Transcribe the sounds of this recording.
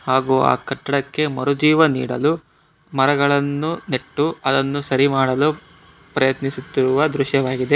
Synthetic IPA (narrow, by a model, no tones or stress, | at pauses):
haːɡuːa̰ːkɐʈːɐɽɐkːe̞mɐɾud͡ʒiːʋɐnḭːɽɐ̰lu | mɐɾɐɡɐɭɐnːune̞ʈːuɐd̪ɐnːusɐɾimaːɽɐlu | pɾɐjɐt̪nisut̪ːiɾuʋɐd̪ɾuʃjɐʋaːɡid̪e̞